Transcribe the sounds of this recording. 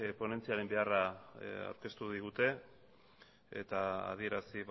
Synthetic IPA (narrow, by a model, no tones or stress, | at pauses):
po̞ne̞nt͡siaɾe̞mbe̞araa̰wɾke̞st̪uðiɣut̪e̞ | t̪aa̰ðie̞ɾasiβ